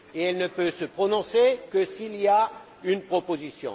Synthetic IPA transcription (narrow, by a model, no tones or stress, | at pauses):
eɛlnəpøsəpχɔnɔ̃sekəsilia | ynpχɔpozisjɔ̰̃